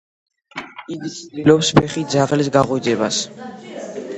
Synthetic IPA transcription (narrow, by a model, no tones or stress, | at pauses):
iilɔpspʰɛχid̪zaʁlisɡaʁuid̪zɛba̰s